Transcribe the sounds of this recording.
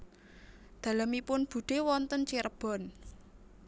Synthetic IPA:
d̪̥ä̤lamipʊnb̥ṳɖ̪̥e̤wɔnt̪ənt͡ʃiɾəb̥ɔ̤n

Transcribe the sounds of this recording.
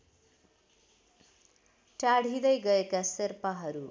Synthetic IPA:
ʈaɽ̤ʱid̪ʌjɡʌekaserpaɦʌɾu

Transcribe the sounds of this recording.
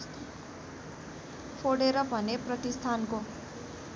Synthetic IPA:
pʰoɽeɾʌbʱʌnepɾʌt̪ist̪ʰanko

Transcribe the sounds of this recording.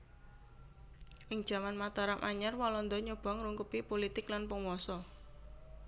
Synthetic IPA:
ʔɪŋ̥ʒ̥a̤manmat̪ɔɾamʔa̰ɲarwɔlɔnd̪ɔɲub̥ɔ̤ŋɾuŋkupipolit̪ɪklanpəŋwɔsɔ

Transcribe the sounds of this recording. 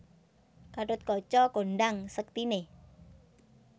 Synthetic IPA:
kaʈʊt̪̚kɔt͡ʃɔkonɖaŋsək̚t̪ine

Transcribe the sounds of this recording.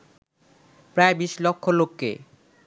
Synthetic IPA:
pɾaebiʃlɔkʰːolokːḛ

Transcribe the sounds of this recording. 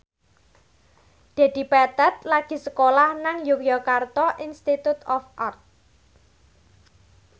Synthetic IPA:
d̪̥e̤d̪̥i̤pɛt̪ət̪̚laɡ̥i̤səkolahnaŋjukijɔkart̪ɔʔinst̪it̪ut̪ɔfʔart̪̚

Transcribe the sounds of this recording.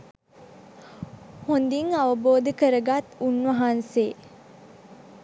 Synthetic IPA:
hond̪iŋaʋəboːd̪əkəɾəɡat̪unʋɐɦanse

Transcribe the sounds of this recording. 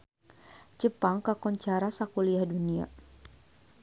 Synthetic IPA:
d͡ʒəpaŋkakɔɲt͡ʃaɾasakuliahdunia̰

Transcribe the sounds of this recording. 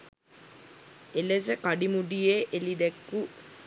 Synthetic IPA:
elesekaɖimuɖijeʔelid̪ekːu

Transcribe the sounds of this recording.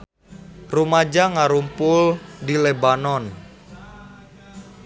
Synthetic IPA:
rumad͡ʒaŋaɾumpʊldilebanɔn

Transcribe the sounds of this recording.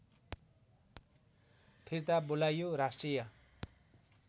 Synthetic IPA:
pʰiɾt̪abolajoɾasʈrijʌ

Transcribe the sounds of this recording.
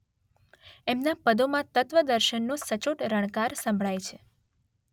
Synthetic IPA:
emnapəd̪omãt̪ət̪ʋəd̪əɾʃənːosət͡ʃoʈɾəɽ̃kaɾsə̃mbʱɭajt͡ʃʰe

